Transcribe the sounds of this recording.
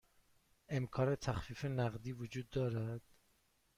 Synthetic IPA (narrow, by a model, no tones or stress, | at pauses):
e̞mkʰɒːɾet̪ʰæxfiːfenæɣd̪iːvod͡ʒuːd̪ːɒːɾæd̪̥